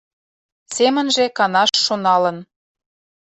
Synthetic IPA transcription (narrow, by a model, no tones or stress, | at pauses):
semə̆nʒĕkɑnɑʃːonɑlə̆n